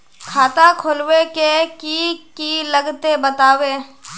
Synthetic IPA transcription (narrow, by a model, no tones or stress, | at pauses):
kʰaːt̪akʰolwekekikiləɡt̪ebət̪aːweː